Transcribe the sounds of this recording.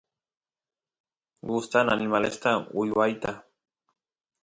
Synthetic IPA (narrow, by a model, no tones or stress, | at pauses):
ɡʊst̪ananimalest̪aʊjwajt̪a